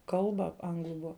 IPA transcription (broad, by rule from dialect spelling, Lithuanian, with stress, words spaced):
ˈkɐlˠbɐ ˈɐŋɡlˠʊ ˈbʊɐ